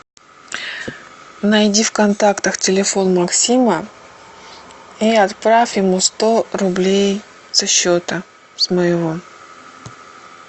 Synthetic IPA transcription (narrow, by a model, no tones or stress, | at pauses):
nɐjdʲifkɐnt̪akt̪əxtʲɪlʲɪfo̞nmɐksʲimə | iɐt̪pɾafʲɪmust̪o̞ɾʊblʲej | sɐɕːot̪ə | sməjɪvo̞